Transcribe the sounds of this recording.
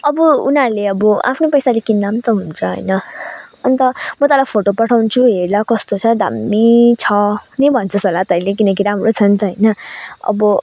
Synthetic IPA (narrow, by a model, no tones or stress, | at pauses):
ʌbʌunarleʌbɔa̰pʰnepʌjsalekinːamt̪ʌɦununt͡sʰʌɦʌ̰jnʌʌnt̪ʌmʌt̪ʌlajpʰoʈopʌʈʰawnt͡sʰuɦeɾlakʌst̪ot͡sʰʌd̪ʱa̰mːit͡sʰʌnʌjbʱʌnt͡sʰʌsolat̪ʌjlekinʌk̬iɾamɾot͡sʰʌnt̪ʌɦʌjnʌʌ̰bʌ